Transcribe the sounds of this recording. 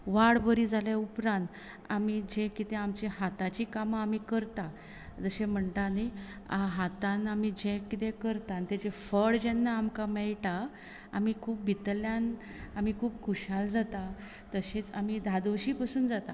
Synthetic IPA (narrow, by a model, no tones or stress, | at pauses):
ʋaɽbəɾid͡zaljaupɾãnt̪ | amid͡ʑẽkit̪ẽamt͡ɕeɦat̪at͡ɕiːkamamiːkəɾt̪a | d͡zəɕẽm̤əɳt̪ani | aɦat̪ãnamid͡ʑẽkit̪ẽkəɾt̪ãnt̪ed͡ʑefəɽd͡ʑɛnːaːmkamɛɭʈa | amikʰuːpbit̪ljãn | amikʰuːpkʰuɕald͡zat̪a | t̪əɕet͡sa̰mid̪ʱad̪oɕiːpasuːnd͡zat̪a